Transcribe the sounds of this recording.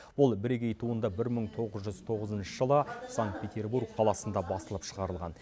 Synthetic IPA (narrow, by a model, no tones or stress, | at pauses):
bʊlˠbɪɾeɡʲe̞jt̪ʰuənd̪ɑbɪɾməɴt̪ʰo̞ʁəzʒʏzt̪ʰo̞ʁəzənʃəʒəlˠəsaŋkt̪̚pʰʲe̞t̪ʲe̞rburkqʰɑlˠɑsənd̪ɑbɑsəlˠəpʃəʁɑɾəlˠʁɑ̰n